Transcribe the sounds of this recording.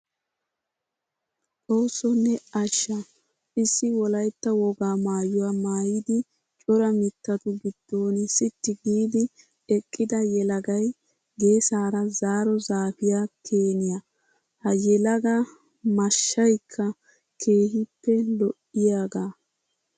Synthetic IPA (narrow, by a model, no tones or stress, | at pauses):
ʔʼo̞ːsːɔnːɛɐʃːɐ | ɪsːɪwɔlɐjt̪ːɐwɔɡaːmaːjʊwamaːjɪd̪ɪ | t͡ʃʼɔɾɐmɪt̪ːɐt̪ʊɡɪd̪̥ːo̞ːnɪsɪt̪ːɪɡiːd̪ɪ | ɛkʼːɪd̪ɐjɛlɐɡɐj | ɡe̞ːsaːɾɐzaːɾɔzaːfɪjakʰeːnɪja | hɐjɛlɐɡɐ | mɐʃːɐjkʰːɐ | kʰe̞ːhɪpːɛlɔʔɪjaːɡaː